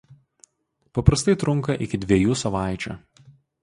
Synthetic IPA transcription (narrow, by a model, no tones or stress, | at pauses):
pɐpɾɐst̪ɐɪt̪ɾʊŋkɐʔɪkʲɪd̪ʲʋʲɛjuːsɐʋɑˑɪt͡ʃʲṵ